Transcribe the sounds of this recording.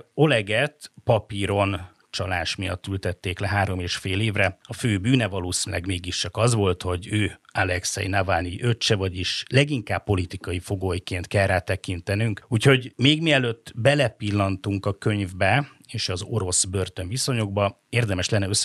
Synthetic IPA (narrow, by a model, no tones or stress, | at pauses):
o̞lɛɡɛt̪pɒpiɾo̞n | t͡ʃɒlaːʃmijɒ̰t̪ːylt̪ɛt̪ːeːklɛɦaːɾo̞meːʃfeːleːvrɛɒføːbyːnɛvɒloːsinylɛɡmeːɡiʃt͡ʃɒkɒzʋo̞lt̪ho̞ɟøːalɛksɛ̰jnavaːniʔøt͡ʃːɛvɒɟiʃlɛɡiŋkaːpːo̞lit̪ikɒjifo̞ɡoːjkeːnt̪kɛlrːaːt̪ɛkint̪ɛnyŋkuːcho̞ɟmeːɡmiɛløt̪ːbɛlɛpilːɒnt̪uŋkɒkø̞ɲvbɛ | eːʃɒzo̞ɾo̞sbørt̪ø̞ɱviso̞ɲo̞ɡbɒ | eːrd̪ɛmɛʃlɛnːɛøs